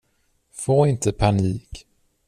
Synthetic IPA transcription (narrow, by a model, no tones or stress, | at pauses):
foːɪnt̪ʰəpʰaniːk